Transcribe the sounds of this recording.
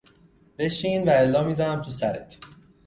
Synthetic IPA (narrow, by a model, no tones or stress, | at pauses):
b̥e̞ʃiːnvæelːɒːmiːzænæmt̪ʰusæɾḛt̪ʰ